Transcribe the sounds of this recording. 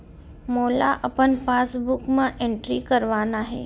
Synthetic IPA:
moːla̰ʔɐpənpaːsbʊkmãʔẽɳʈɾikəɾʋaːnaɦḛː

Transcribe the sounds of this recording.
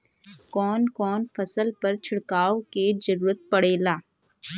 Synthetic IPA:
kɔːnkɔːnfɐsəlpɐɾt͡ʃʰɪɽkaːoked͡ʒɐɾuːɾət̪̚pɐɽeːlaː

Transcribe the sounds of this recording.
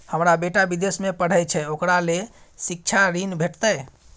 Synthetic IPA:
həmɾabeʈabid̪esmepəɽ̤əjt͡ʃʰɛokɾale | sik̚t͡ʃʰaɾinbʱeʈt̪əj

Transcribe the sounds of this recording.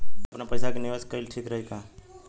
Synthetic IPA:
əpnapəjsakeniʋaskəilʈʰiːkɾəɦika

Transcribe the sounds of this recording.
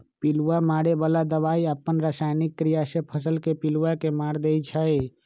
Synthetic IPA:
piluwamaɽebaːlad̪əβaːiəpːənɾasaːjnɪkːɾijasepʰəsəlkepiluwakemaːɾd̪eit͡ʃʰəe

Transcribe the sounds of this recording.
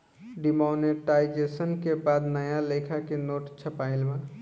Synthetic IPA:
ɖimoneʈaɪd͡ʒesənkebad̪nəjalekʰakenoːʈt͡ʃʰəpaɪlmã

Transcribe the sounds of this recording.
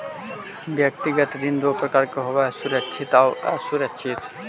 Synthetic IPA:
bjɐk̚t̪iɡət̪d̪ind̪oːpɾɐkaːɾkeɦoʋasʊɾəkʃʰɪt̪aoɛ̰suɾəkʃʰɪt̪

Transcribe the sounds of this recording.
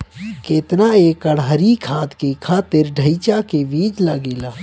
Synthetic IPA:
keːt̪naeːkəɽɦəɾikʰaːt̪kekʰaːt̪ɪɾɖʱəit͡ʃakeʋiːd͡ʒlaɡeːlaː

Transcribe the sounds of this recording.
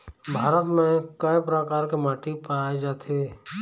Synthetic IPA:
bʱaːɾət̪mẽkəpɾəkaːɾkemaːʈipaːed͡ʒaːt̪ʰe

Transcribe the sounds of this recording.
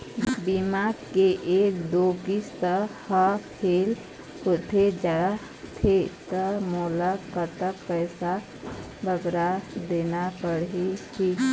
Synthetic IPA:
bimaɡkeʔekd̪oɡist̪əhakʰel | hot̪ʰed͡ʒa | t̪ʰet̪əmɔlakət̪əkpəjsa | bʱəɡɾad̪enapəɽɦiʈʰik

